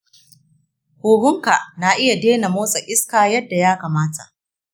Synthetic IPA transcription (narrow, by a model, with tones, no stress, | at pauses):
huː˨ɽʊ˦ŋka˨ʔna˨ʔɪ˦ja˨deː˦na˨moː˦sʼɐ˨ʔɪ˦skaː˨jɐ˦dːa˨jaː˦kaː˨maː˦ta̰˨ʔ